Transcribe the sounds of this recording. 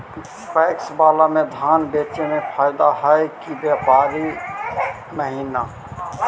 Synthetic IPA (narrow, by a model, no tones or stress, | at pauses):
spɛːksbaːlamẽd̪ʱaːnbeːt͡ʃemẽpʰaːɪd̪aɦaekibjaːpaːɾi | məɦiːna